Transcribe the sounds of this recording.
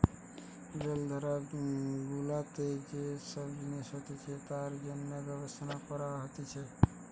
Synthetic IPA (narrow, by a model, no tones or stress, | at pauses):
d͡ʒeld̪ʱəɾaɡulat̪ed͡ʒesəbd̪inesɦət̪it͡ʃʰɛt̪aɾd͡ʒənmebjəbəsnapəɾaɦət̪it͡ʃʰɛ